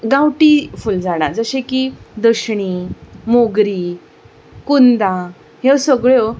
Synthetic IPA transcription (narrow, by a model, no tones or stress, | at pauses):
ɡãwʈifuld͡zaɽ̃aɾd͡zəɕẽkid̪əɕɳimoɡɾiː | kund̪a | ɦesəɡɭjo